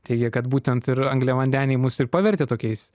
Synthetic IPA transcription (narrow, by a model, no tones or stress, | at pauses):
t̪ʲɛɪɡʲɛkɐt̪buːt̪ʲɛnt̪ɪɾɐŋɡlʲɛʋɐnʲd̪ʲæːnʲɛɪmʊsɪrpɑːʋʲɛɾʲt̪ʲeːt̪oːkʲɛɪs